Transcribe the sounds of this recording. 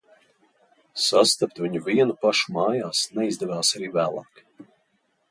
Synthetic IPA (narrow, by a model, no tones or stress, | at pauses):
sast̪ap̚t̪vʲiɲuvʲiɛnupaʃu̥maːjaːsnɛizd̪ɛvaːsaɾiːvæːlˠɑ̰ːk